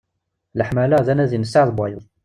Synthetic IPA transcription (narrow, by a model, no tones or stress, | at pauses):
ləħmælæðænæðinəsːaʕðˤbɑjəðˤ